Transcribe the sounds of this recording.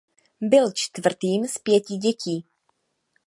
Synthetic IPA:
bɪlt͡ʃt̪vr̩t̪iːmspjɛcɪɟɛciː

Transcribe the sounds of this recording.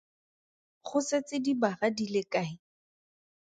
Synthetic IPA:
χʰʊset͡sɪdibaradilekaːɪ

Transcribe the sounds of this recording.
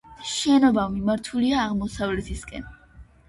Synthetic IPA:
ʃɛnɔbamimaɾt̪ʰuliaːʁmɔsavlɛt̪ʰiskʼɛ̰n

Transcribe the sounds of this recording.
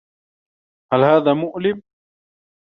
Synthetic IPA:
halhaːðaːmʊʔlɪm

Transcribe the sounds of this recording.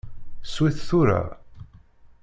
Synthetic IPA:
swiθθʊɾa̰

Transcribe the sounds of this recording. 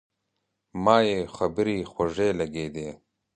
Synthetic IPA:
mɑːjeːxɐbɾiːxwɐʐeːlɐɡeːd̪eː

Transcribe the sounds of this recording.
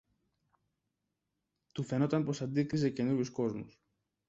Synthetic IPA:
t̪ufe̞no̞t̪ɐnpo̞sɐnd̪ikɾisece̞nuɾʝusko̞zmṵs

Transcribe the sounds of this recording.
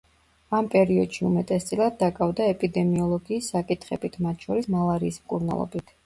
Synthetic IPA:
ampʼɛɾiɔd̪̥ʃiumɛt̪ʼɛst̪sʼilˠad̪̚ːakʼavd̪aɛpʼid̪ɛmiɔlˠɔɡiːsːakʼit̪ʰχɛ̰bit̪ʰmat̪ʰʃɔɾismalˠaɾiːsmkʼuɾna̰lˠɔ̰bit̪ʰ

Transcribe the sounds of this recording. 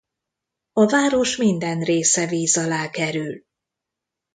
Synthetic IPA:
ɒvaːɾo̞ʃmind̪ɛnreːsɛviːzɒlaːkɛɾyl

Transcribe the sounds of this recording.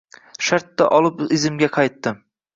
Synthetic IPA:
ʃaɾt̪ːaʔɒlˠɪpɪzɪmɡʲaqʰɑjt̪ːɪm

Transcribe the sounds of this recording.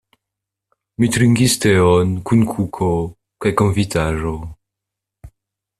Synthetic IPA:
mit̪ɾiŋɡist̪eɔnkunkʰukʰo | kajkonvit̪aʒo

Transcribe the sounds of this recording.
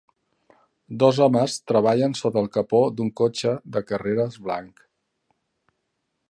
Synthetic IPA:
d̪ɔzɔməst̪ɾəβ̞aʎənsot̪əːlˠkəpod̪uŋkot͡ʃəd̪əkəreɾəzβla̰ŋk

